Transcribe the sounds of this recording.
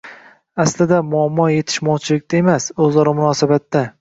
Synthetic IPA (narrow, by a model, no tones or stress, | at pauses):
aslɪd̪amʊamːɒje̞t̪ʰɪ̥ʃmɒwt͡ʃʰɪlɪk̚ʲt̪ae̞masɵzlɒɾɒmʊnɒːsabat̪ːa